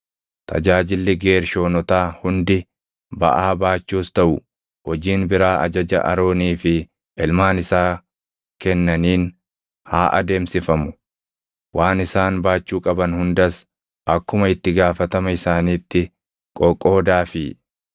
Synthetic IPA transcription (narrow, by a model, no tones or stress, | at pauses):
t̪ʰɐ̰d͡ʒaːd͡ʒɪlːɪɡe̞ːɾʃo̞ːnɔt̪aːhʊnd̪ɪ | bɐ̰ʔaːbaːt͡ʃːuːst̪ɐʔʊ | hɔd͡ʒiːnbɪɾaːʔɐ̰d͡ʒɐd͡ʒɐ̰ʔɐ̰ɾo̞ːniːfɪ | ʔɛlmaːnɪsaː | kɛnːɐniːn | haːʔɐ̰d̪e̞ːmsɪfɐmʊ | waːnɪsaːnbaːt͡ʃːuːkʼɐbɐnhʊnd̪ɐs | ʔɐkːʊmɐɪt̪ːɪɡaːfɐt̪ɐmɐɪsaːniːt̪ːɪ | kʼɔkʼːo̞ːd̪aːfɪ